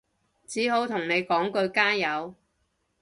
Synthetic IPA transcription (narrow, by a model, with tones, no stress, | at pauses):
t͡siː˨˥ɦo˨˥wt̪ʰʊ˨˩ŋne˨˧jkɔː˨˥ŋkɵ˧ɥkaː˥jɐ˨˧w